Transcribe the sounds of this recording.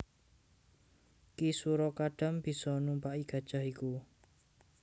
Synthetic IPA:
kisuɾɔkaɖ̥a̤mb̥i̤sɔnumpaʔiɡ̥ä̤d̥ʒ̥a̤hiku

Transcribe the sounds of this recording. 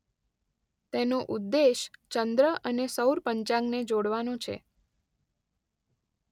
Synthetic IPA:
t̪enõʔud̪ːeʃt͡ʃənd̪ɾəʔənesəwɾpəɲt͡ʃãŋɡned͡ʒoɽʋanõt͡ʃʰḛ

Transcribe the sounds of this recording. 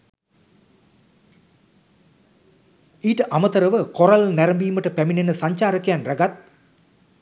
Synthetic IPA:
iːʈəʔamət̪əɾəʋəkoɾalnæɾəmbiːməʈəpæminenəsaɲt͡ʃaːɾəkəjanraɡat̪̚

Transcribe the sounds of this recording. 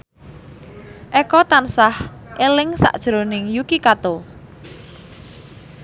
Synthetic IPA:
ʔɛkɔt̪ansahʔelɪŋsa̰ʔd̥ʒ̥ɾonɪŋjukikat̪o

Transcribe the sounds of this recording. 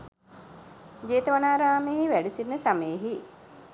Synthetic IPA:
d͡ʒeːt̪əʋanaːɾaːmeɦiʋæɖisinːəsaməjɦi

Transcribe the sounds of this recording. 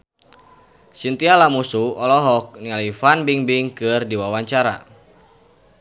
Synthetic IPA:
sint̪ialamusuɔlɔɦɔk̚nialifanbiŋbiŋkɨrdiwawaɲt͡ʃaɾa̰

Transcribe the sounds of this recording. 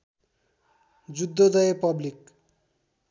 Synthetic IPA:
d͡zud̪ːod̪ʌjepʌblik

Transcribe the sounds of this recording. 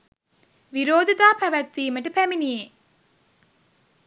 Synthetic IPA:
ʋiɾoːd̪it̪aːpæʋæt̪ːiːməʈəpæminie

